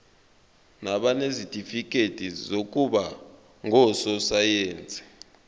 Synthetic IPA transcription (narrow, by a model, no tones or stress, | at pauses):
naɓanezitʼifik̬ʼetʼizok̬ʼuɓa | ŋɔsɔsajeːnt͡sɛ̥